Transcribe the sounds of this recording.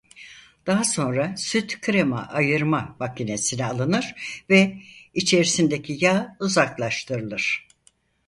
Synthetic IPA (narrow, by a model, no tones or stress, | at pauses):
d̪̥aɦaso̞nɾasyt̪kʰɾema̰ʔajɯɾmavakine̞sinɛalˠɯnɯɾ̥vɛit͡ʃʰe̞ɾisind̪ecʰijaːuzaklˠaʃt̪ʰɯɾɯlˠɯɾ̥